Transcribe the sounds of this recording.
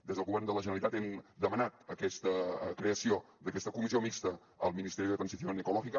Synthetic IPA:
d̪ezðəlˠɣuβɛɾrnd̪ələʒənəlit̪at̪ɛmd̪əmənat̪əkɛst̪əkɾeəsio | d̪əkɛst̪əkumiziomikst̪ə | əlˠminist̪ɛɾiðət̪ɾənziθjonəkulɔʒikə

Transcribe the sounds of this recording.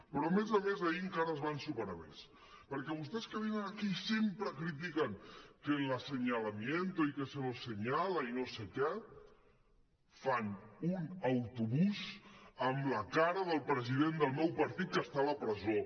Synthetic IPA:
pɾɔəmezəmezaiəŋkaɾəzβansupəɾamḛs | pəɾkɛβust̪ɛskəβinənəkisempɾəkɾit̪̬ikəŋkənləsəɲəlɐmjent̪oikəsəβosəɲaləinosekɛ | fanunəwt̪uβuzəmləkaɾəðəlˠpɾəziðend̪əlˠmɔwpəɾt̪it̪̚kəst̪aləpɾəzo

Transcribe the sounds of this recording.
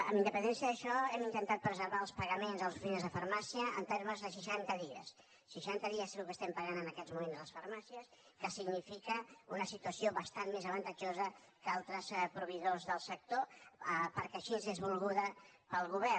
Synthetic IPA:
ə̰mbind̪əpənd̪ɛnsiəðəʃɔɛmint̪ənt̪at̪̚pɾəzəɾβaəlˠspəɣəmenzəlˠzufinzðəfəɾmasiəə̰nt̪eɾməzðəs̬iʃant̪əðiə̰sː | əʃant̪əðiəsəukəst̪ɛmpəɣanənəkɛzmumenzləsfəɾmasiəs | kəsiɡnifikəunəsit̪uəsioβəst̪anmezəβənt̪əd͡ʒozə | kalˠt̪ɾəspɾuβiðozðəlˠsək̚t̪oəpəɾkɛʃizðizβulˠɣuðəpəlˠɣuβɛ

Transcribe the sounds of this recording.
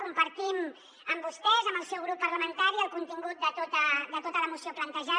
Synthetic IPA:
kumpəɾt̪im | əmbust̪ɛzəməlˠsɛwɣɾupːərləmənt̪aɾiəlˠkunt̪iŋɡut̪̚d̪ət̪ot̪əd̪ət̪ot̪ələmusioplənt̪əʒa

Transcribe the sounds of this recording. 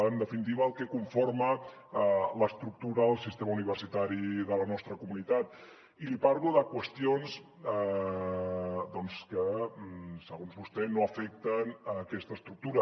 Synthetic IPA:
ənd̪əfinit̪̬iβəːlˠkekuɱformə | ləst̪ɾuk̚t̪uɾəəlˠsist̪eməuniβəɾsit̪aɾiðələnɔst̪ɾəkumunit̪at̪ | ilipaɾɣuðəkwəst̪ijons | d̪ɔnskə | səɣ̞onzβust̪ɛnoəfɛk̚t̪ənəkɛst̪əst̪ɾuk̚t̪uɾə

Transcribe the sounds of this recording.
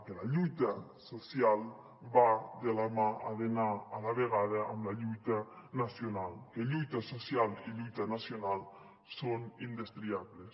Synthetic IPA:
kelaʎujt̪a | sosjal | bad̪elamaaðenaːlaβeɣ̞aðaʔamlaʎujt̪anasjonalkeʎujt̪asosjaliʎujt̪anasjonal | sonind̪est̪ɾiaβles

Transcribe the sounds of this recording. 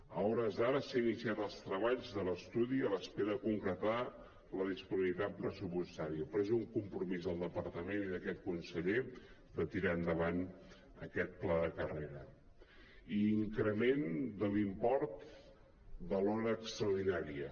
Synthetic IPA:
əɔɾəzaɾəsainisiat̪əlˠst̪ɾəβaʎzðələst̪uðiələspeɾəðəkuŋkɾət̪a | ləð̞ispuniβlit̪at̪̚pɾəsupust̪aɾiəpɾɛzuŋkumpɾumizðəlˠd̪əpəɾt̪əmeniðəkɛt̪kunsəʎe | d̪ət̪iɾaənd̪əβan | ə̰kɛt̪̚plaðəkəreɾə | iːŋkɾəmend̪əlimpɔɾt̪ | d̪əlɔɾəːkst̪ɾəuɾðinaɾiə

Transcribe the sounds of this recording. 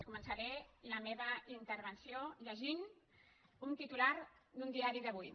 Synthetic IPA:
kumənsəɾɛiləmeβəint̪əɾβənsioʎəʒin | unt̪it̪ulaɾd̪und̪iaɾiðəβ̞uj

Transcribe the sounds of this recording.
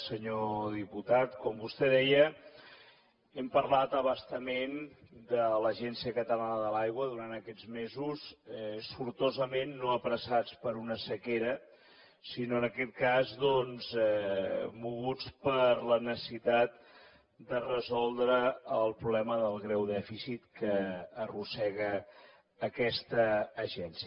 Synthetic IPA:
səɲoðiput̪at̪kɔmbust̪ɛðɛjə | ɛmpəɾlat̪əβəst̪əmend̪ələʒɛnsiəkət̪əlanəðəlajɣwəðuɾant̪əkɛd͡zmezusɛsfuɾt̪ozəmenːoəpɾəsat͡spəɾunəsəkeɾə | sinoənəkɛt̪̚kazðɔnzɛmuɣut͡spəɾlənəsəssit̪at̪̚ | d̪ərəzɔlˠd̪ɾəəlˠpɾuβlɛməðəlˠɣɾɛwðɛfisit̪kəːrusɛɣəː | kɛst̪əːʒɛnsiə

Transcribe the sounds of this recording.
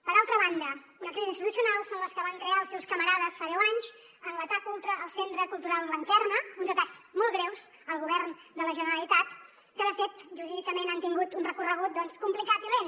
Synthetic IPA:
pəɾalˠt̪ɾəβand̪ə | unəkɾizinst̪it̪usiunalˠsonləskəβaŋkɾeaəlˠsɛwskəməɾaðəsfaðɛwaɲz | ənlət̪akulˠt̪ɾəːlˠsent̪ɾəkulˠt̪uɾalˠlənk̪ɛrnəunzət̪akzmɔlˠɣɾɛwz | əlˠɣuβɛrnd̪ələʒənəɾəlit̪at̪ | kəðəfet̪ʒuɾiðikəmenant̪iŋɡut̪unrəkurəɣut̪̚d̪ɔnskumplikat̪ulen

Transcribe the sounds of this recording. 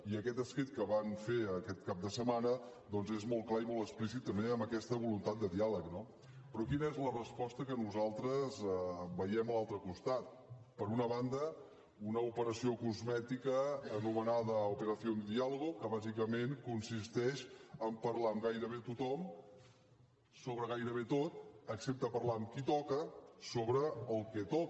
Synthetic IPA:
iəkɛt̪əskɾit̪̚kəβanfeəkɛt̪̚kap̚d̪əsəmanə | d̪ɔnzezmɔlˠklaimɔlˠt̪əksplisit̪ːəmbeəmbəkɛst̪əβulunt̪at̪̚d̪əðialəkno | pɾɔkinəɛzlərəspɔst̪əkənuzalˠt̪ɾəzbəjɛməlˠalˠt̪ɾəkust̪at̪̚ | pəɾunəβand̪ə | unəupəɾəsiokuzmɛt̪ikəːnumənaðəupəɾəθjond̪əðialəɣukəβazikəmenkunsist̪ɛʃəmpəɾlaəmɡajɾəβ̞et̪ut̪ɔm | soβɾəɣajɾəβet̪ot̪əksep̚t̪əpəɾlaəmkit̪ɔkəsoβɾəːlˠkɛt̪ɔk

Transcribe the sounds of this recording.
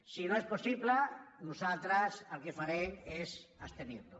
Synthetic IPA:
sinoesposiβlanusalt̪ɾasalkefaɾeŋesast̪enint̪o

